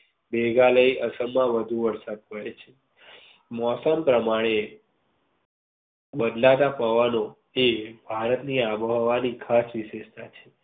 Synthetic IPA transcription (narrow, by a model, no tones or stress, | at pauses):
beɡaləiʔəsəmãʋəd̪ʱuʋəɾsad̪̚pəet͡ʃʰe | mɔsəmpɾəmaɽ̃e | bəd̪lat̪apəʋano | ebʱaɾət̪niabəɦʋanikʰasʋiʃeʃt̪at͡ʃʰe